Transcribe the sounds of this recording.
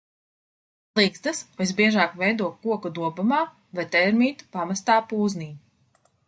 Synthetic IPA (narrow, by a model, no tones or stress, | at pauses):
lˠiɡst̪asvesbiɛʒaːkvɛjd̪uɔkːuɔkud̪uɔbumaː | vajt̪ɛɾmiːt̪pamast̪aːpuːzniː